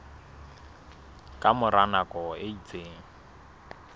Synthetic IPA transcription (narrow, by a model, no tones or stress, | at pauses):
kʼamʊɾanakʼɔeit͡sʼeːŋ̩